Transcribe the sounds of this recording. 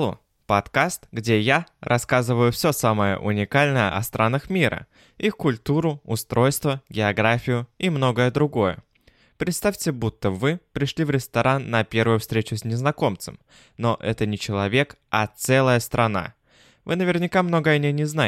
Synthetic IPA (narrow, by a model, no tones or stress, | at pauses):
o̰ | pɐt̪kast̪ɡdʲejaɾʔɐskazɨvəjʊfsʲosaməjə̰ʔʊ̰nʲɪkalʲnəjə̰ʔɐ̰st̪ɾʔanəxmʲiɾə̰ | ixkʊlʲt̪uɾʊʊst̪ɾʔo̞jst̪vəɡʲɪɐɡɾafʲɪjʊimno̞ɡəjəd̪ɾʊɡo̞jə̰ | pɾʲɪt̪st̪afʲtʲɪbut̪ːəvɨpɾʲɪʂlʲivɾʲɪst̪ɐɾʔanːɐpʲe̞ɾvəjʊfst̪ɾʲet͡ɕʊsʲnʲɪznɐko̞mt̪səm | noʔɛt̪ənʲɪt͡ɕɪlˠɐvʲe̞k | ɐt̪sɛlˠəjəst̪ɾʔɐna̰ | vɨnəvʲɪrnʲɪkamno̞ɡənʲɪnʲɪzna